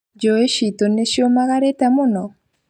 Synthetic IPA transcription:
d͡ʒoeʃit̪oneʃjomaɣaɾetamʊnɔ

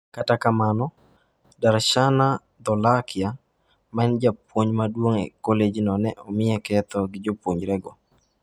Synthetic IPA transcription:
katakamanɔ | daɾʃana | d̪ɔlakɪa | maɛnd͡ʒapwoɲmadwoŋḛkɔled͡ʒnɔnɛʔɔmɪjɛkɛt̪ɔɡɪd͡ʒopwoɲɾɛɡɔ

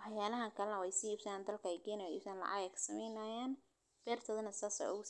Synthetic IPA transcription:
wɑħjaːlɐɦɐŋkʰɐlɛnɐwɑjsiːiːbsɐaːnd̪ɐlkʰɐɛjɡɛːnɛḭːbsaːnlɑ̰ʕɑ̰ɣɛkʰsɐmɛjnɐːjaːn | b̥ɛːrt̪ʰɐðɐnɐsaːsɐ̰ʊɣʊ

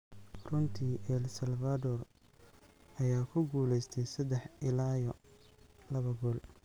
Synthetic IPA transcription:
rʊnt̪ʰiːʔɛlsɐlfad̪ɔr | ɐjaːkʰʊɡuːlɛjst̪ʰɛjsɐd̪ɛħɪlaːjɔ | lɐβɐɡɔːl

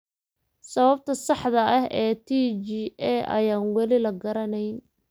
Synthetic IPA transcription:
sɐβɐb̚t̪ʰɐsɑħðɐɐɦɛːt̪ʰiːt͡ʃiːɛʔɐ̰jaːnwɑlɪlɐɡɐɾɐnɛjn

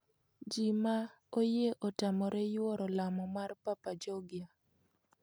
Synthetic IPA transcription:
d͡ʒima | ojeʔotamɔɾɛjwɔɾɔlamɔmarpapad͡ʒɔɡɪa

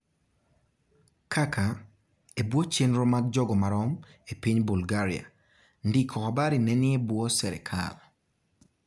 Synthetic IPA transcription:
kʰakʰa | ebwot͡ʃenɾɔmaɡ̚d͡ʒɔɡɔmaɾɔmepiɲbulɡaɾia̰ | ndikʰɔabaɾinɛnɪebwosɛɾɛ̰kʰa̰l

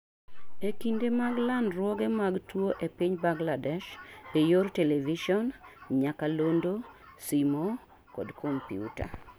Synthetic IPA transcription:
ekindemaɡlanɾwɔɡemaɡtwoʔepiɲbaŋɡladɛʃejorteleviʃɔnɲakalondosimo | kɔdkʰɔmpiṵta̰

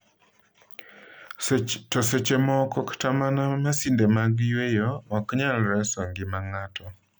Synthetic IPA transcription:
tɔset͡ʃemɔkɔktamanamasindemaɡjwejoɔkɲalɾɛsɔŋɡɪmaŋatɔ

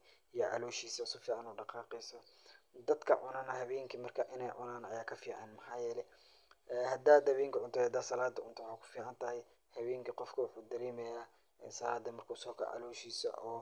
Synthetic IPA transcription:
ijɔʕɑ̰luːʃiːsɐʊsʊfiːʕɑnuːɖɑqɑːqɛjsɔd̪ɐd̪kʰɐ̰ʕʊnɐnɐhɐβɛːŋkʰimɐrkʰɐʔɪnɛjʕʊ̰naːnɐjaːkʰɐfiːʕɑ̰nmɐħaːjɛːlɛ | ʔɛːhɐd̪aːd̪hɐβeːŋkʰʊʕʊnt̪ʰɔhɐd̪aːsɐlaːd̪ɐʔʊnt̪ʰʊwħaːkʰʊ̥fiːʕɑnt̪ʰɐhɛj | hɐβeːŋkʰɐqɔfkʰɐwʊħuːd̪ɐɾɛːmɛjaː | ɛːsɐlaːd̪ːɐmɐrkʰʊsɔːkʰɐ̰rʕɑ̰luːʃiːsɐ̰ʔɔː

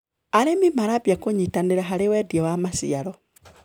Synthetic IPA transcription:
aɾemimaɾabjakoɲitaneɾaɦaɾewɛdiɔwamasḭaɾɔ

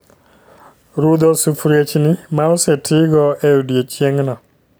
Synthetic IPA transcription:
ɾud̪ɔsufɾjet͡ʃnɪmaosetʰɪɡɔeudjet͡ʃjeŋnɔ

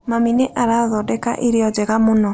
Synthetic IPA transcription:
mamineʔaɾaoðɔdɛka̰ʔeɾeɔd͡ʒɛɣamonɔ

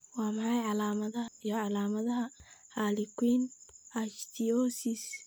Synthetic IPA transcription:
wɑːmɑħɑjʕɑlaːmɐðɐhɐijɔʕɑlaːmɐðɐɦɐhalikʰwiːnɐʃt̪ʰiɔːsis

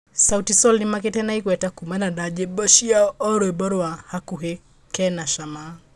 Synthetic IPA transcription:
sautisɔlnimakɛtɛnaikwɛtakumanaɗad͡ʒɛbɔʃiaɔɾɔɛbɔɾwahakuɦɛ | kɛnaʃama

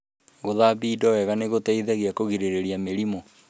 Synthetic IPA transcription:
ɣoðaβiːdɔwɛɣaneɣotɛiðɛɣiakoɣiɾeɾeɾiameɾimɔ

